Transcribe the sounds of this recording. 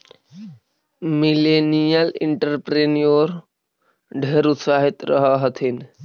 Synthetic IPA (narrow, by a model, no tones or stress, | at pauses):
milenijəlɪ̰ɳʈəɾpɾenijoɾ | ɖʱeːɾʊt̪saːɦit̪ɾʔəɦəɦət̪ʰin